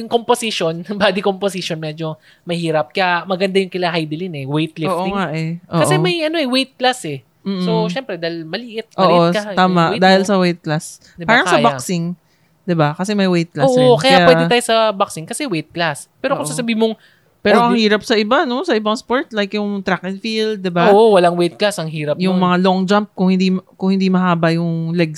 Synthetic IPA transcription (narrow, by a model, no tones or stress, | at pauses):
jʊŋkomposiʃonbaːd̪ikomposiʃonmɛd͡ʒo̞ | mɐhiːɾɐp̚kɐamɐɡɐnd̪ajʊŋkɪlaɦajd̪ɪlɪnɛwejt̪̚lofʔoŋaʔɛʔoːkɐʔsɛmɐjʔɐnoʔɛwejt̪̚klasɛ | m̩ːsoʃɛmpɾɛd̪ajlmɐlɪʔɪt̪̚ʔoɐːʔot̪aːmaʔd̪aːhɪlsɐwejt̪̚klas | d̪ɪpaːɾɐŋsɐjbaksɪŋ | d̪ɪbakɐsɛmɐjwejt̪̚klaoʔokɐjaawɛɪajosɐbɐksɪŋkɐsɛwejt̪̚klas | pɛːɾokʊssɐsɐbiːhɪmoŋ | pɛːɾoʔɐŋhiːɾɐp̚sɐʔɪbano̞sɐʔɪbɐŋspoɹt̪lajkjʊŋt̪ɾakɪnfild̪̚ːɪbaoʔowɐlaŋwejt̪̚klasɐŋɦiːɾɐpjʊŋmɐŋaloŋd͡ʒamp̚kʊŋhɪnd̪imkʊŋhɪnd̪imɐhaːbɐjʊŋlɛɡs